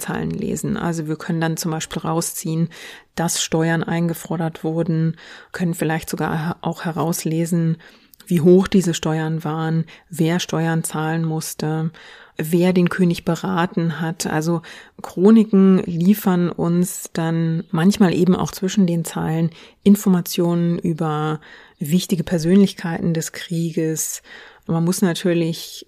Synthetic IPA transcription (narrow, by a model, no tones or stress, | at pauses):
t͡sa̰ːlə̰nlḛːzn̩ʔa̰lzoviːɐkʰœnəndant͡sʊmbaɪʃpiːlʁaʊst͡siːənd̥asʃtɔʏɐnʔa̰ɪnɡəfɔɐdɐtv̥ʊɐdn̩kʰœnənfɪlaɪçtz̥oɡa̰ːɐʔaʊxhɛʁaʊsleːzn̩ | viːɦoːxd̥iːzəʃtɔʏɐnvaːʁənveːɐʃtɔʏɐnt͡saːlənmʊstə | veːɐdeːnkʰøːnɪçb̥əʁaːtn̩ɦatʔa̰lzokʁ̥oːnɪkŋ̩liːfɐnʊ̰nsd̥anmançmaːlʔḛːbm̩ʔa̰ʊxt͡sv̥ɪʃn̩deːnt͡sa̰ɪlən | ʔɪnfɔɐmat͡sjoːnənʔyːbɐ | vɪçtɪɡəpʰɛɐzøːnlɪçkʰaɪtn̩dɛskʁ̥iːɡəsmanmʊsnatʰyːɐlɪç